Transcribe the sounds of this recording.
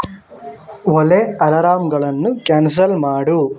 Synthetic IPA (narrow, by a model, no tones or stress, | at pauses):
oleɐlɐɾaːmɡɐɭɐnːukaːns̬ɐlmaːɽu